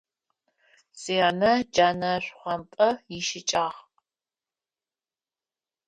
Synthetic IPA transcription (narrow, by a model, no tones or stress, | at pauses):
seːnɐd͡ʒaːnɐɕʷχʷɔmpʼɐjɪʃɪt͡ʃʼaːχ